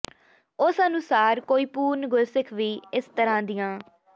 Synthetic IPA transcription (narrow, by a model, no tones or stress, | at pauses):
ʊsənʊsaːɾkoːiːpuːɾnɡʊlsɪkʰʋiːɪst̪əɾãːd̪ɪjãː